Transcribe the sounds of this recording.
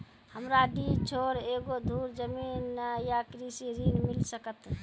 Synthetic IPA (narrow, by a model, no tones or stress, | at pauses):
həmɾaɖit͡ʃʰoɾeɡod̪ʱuɾd͡ʒəminjakɾisiɾinmilsəkət̪